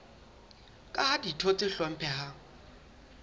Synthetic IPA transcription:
kʼaaditʰot͡sʼɪɬɔm̩pʰɛha

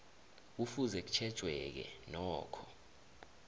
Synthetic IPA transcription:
k̬ufuzɛk̬u̥t͡ʃʰɛd̥ʒ̥ʱwɛk̬ɛ̰nɔːkʰɔ

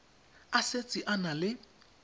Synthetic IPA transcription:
aset͡sʼiʔanalɪ

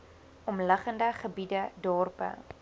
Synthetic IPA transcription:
ɔmləχəndəχəbidədɔːrpə̰

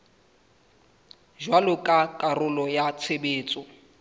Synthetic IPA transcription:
ʒwalʊkʼakʼarʊlɔjat͡sʰebeːt͡sʼɔ

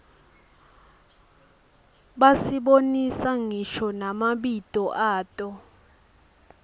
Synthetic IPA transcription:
ɓasiɓonisaŋiʃɔnamaɓitʼɔʔaːtʼɔ

